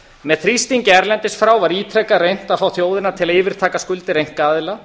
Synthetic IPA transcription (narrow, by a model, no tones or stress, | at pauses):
mɛðθɾist̪iɲcɪɛɾlɛnt̪ɪsfɾaːwvaɾiːt̪ʰɾɛkarejn̥t̪aðfaːwθjoːwðɪnat̪ʰɪlaɪːvɪɾ̥t̪ʰaːkaskʏlt̪ɪɾejŋ̥t̪kkaːðɪla